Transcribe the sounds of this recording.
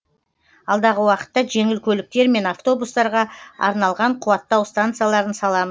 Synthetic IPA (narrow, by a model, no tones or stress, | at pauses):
ɑlˠd̪ɑʁəwɑqə̥t̪ːɑʒe̞ŋɪlkʲʰɵlɪk̚t̪e̞ɾme̞naft̪o̞bust̪ɑɾʁɑɑ̰ɾnɑlˠʁɑɴqʰuwɑt̪ːɑwst̪ant̪sɨjalˠɑɾənsɑlˠɑməz